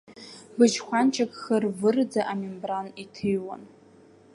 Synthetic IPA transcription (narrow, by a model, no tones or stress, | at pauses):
bɨt͡ʃχʷant͡ʃʰakʼχərvɨrd͡zaʔamimbranitʰɨjwa̰n